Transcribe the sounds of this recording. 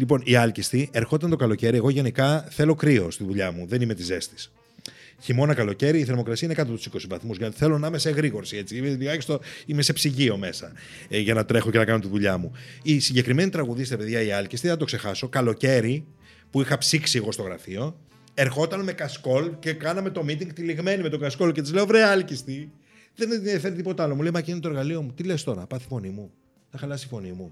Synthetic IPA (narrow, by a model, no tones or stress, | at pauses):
lipo̞niɐlcist̪ie̞ɾxo̞t̪ɐnt̪o̞kɐlo̞ce̞ɾie̞ɣo̞ʝe̞nikɐθe̞lo̞kɾio̞st̪iðuʎɐmuðe̞nime̞t̪ize̞st̪i̥s | çimo̞nɐkɐlo̞ce̞ɾiːθe̞ɾmo̞kɾɐsiɐinekɐt̪opt̪u̥siko̞sivɐθmuzʝɐt̪θe̞lonɐmeseɣɾiɣo̞ɾsie̞t͡siimeliɣɐçist̪oimese̞psiʝio̞me̞sɐ | ʝɐnɐt̪ɾe̞xo̞cenɐkɐnot̪iðuʎɐmu | isiɲɟe̞kɾime̞nit̪ɾɐɣuðist̪ɾepeðʝɐiɐlcist̪iɐt̪okse̞xɐso̞kɐlo̞ce̞ɾi | puixɐpsiksieɣo̞st̪oɣɾɐ̰fio̞ | e̞ɾxo̞t̪ɐnme̞kɐsko̞lce̞kɐnɐmet̪o̞mit̪iŋɡ̚t̪iliɣme̞nime̞t̪o̞ɡɐsko̞lcet̪izle̞ovɾeɐlcist̪i | ðe̞niɐfeɾit̪ipo̞t̪ɐɐlo̞mule̞jmɐcinet̪oɾɣɐlio̞mut̪ile̞st̪o̞ɾɐpɐθi̥fo̞nimu | nɐxɐlɐsifo̞nimu